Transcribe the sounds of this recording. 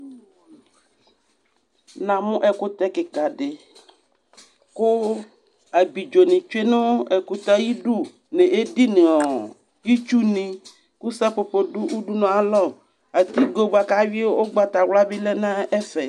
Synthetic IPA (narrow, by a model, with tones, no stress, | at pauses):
nã˨mũ˦ʔɛ˨ku˦t̪ɛ˦ke˨ka˨ɖe˨ | ko˦ | a˨bi˨d͡ʒo˨nĩ˨t͡ʃe˦nõ˦e˨ku˦t̪a˦ji˦ɖu˦ | nẽ˨e˦di˦nẽ˨ɔ˨ | ji˦t͡ʃu˦nĩ˨ | ku˦sɛ˦po˨po˦ɖu˦ʔu˦ɖu˦nɔ̃˨a˨lɔ˦˨ | a˨t̪i˦ɡo˨ba˨ka˦wi˦wo˦wo˦ɡ͡ba˨t̪a˨wla˦bi˦le˦nã˦e˦fe˨